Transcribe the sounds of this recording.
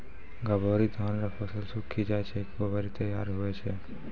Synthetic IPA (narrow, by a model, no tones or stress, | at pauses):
ɡabaɾid̪ʱɔnɾafʰəsəlsukʰːid͡ʒajt͡ʃʰekbəbaɾit̪əjaɾɦoet͡ʃʰe